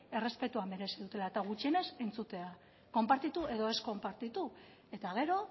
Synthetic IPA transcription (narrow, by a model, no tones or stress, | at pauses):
e̞re̞spe̞t̪uambe̞ɾe̞siðut̪e̞laet̪aɣ̞ut͡ʃiene̞se̞nt͡sut̪e̞a | ko̞mpaɾt̪it̪uʔe̞ðo̞e̞sko̞mpaɾt̪it̪u | e̞t̪aɣ̞e̞ɾo̞